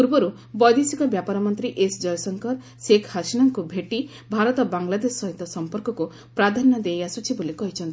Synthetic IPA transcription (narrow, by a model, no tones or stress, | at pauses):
puɾbɔɾu | bɔjd̪isikɔbjapaɾɔmɔnt̪ɾiʔesd͡ʒɔjɔsɔŋkɔɾ | sekʰhasinɔŋkubʱeʈi | bʱaɾɔt̪ɔbaŋlad̪esːɔɦit̪ɔsɔmpɔɾkɔku | pɾad̪ʱanɔd̪ejasut͡ʃʰibolikɔɦit͡ʃʰɔnt̪i